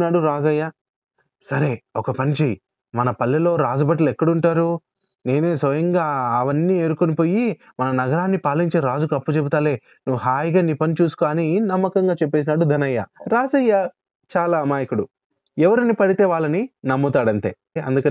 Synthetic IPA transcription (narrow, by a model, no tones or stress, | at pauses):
naːɽuɾaːd͡ʒɐjːa | sɐɾeɔkɐpɐnt͡ʃeji | mɐnɐpɐlːɐlo̞ːɾaːd͡ʒɐbɐʈ̬lekːɐɽuɳʈaːɾu | ne̞ːne̞ːsʋɐjɐŋɡaːɐʋɐnːiːe̞ːɾukonipo̞ːji | mɐnɐnɐɡɐɾaːnːipaːliɲt͡ʃeːɾaːd͡ʒukɐpːut͡ʃebut̪aːleː | nuʋːuɦaːjɡaːniːpɐnit͡ʃuːsu̥kaːninɐmːɐkɐŋɡaːt͡ʃɛp̬ːe̞ːs̬inaːɽud̪ʱɐnɐjːɐ̰ɾaːd͡ʒɐjːa | t͡ʃaːlaːmaːjikuɽu | ɛʋɐɾɐnipɐɽit̪e̞ːʋaːɭːɐninɐmːɐt̪aːɽɐɳʈe̞ː | ɐ̰nd̪ukɐ